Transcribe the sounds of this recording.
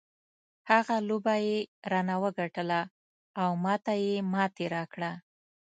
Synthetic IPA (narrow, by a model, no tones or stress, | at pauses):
haɣalobajeɾɑnawəɡaʈəlaː | wmɑt̪ajemɑt̪eɾɑkɽa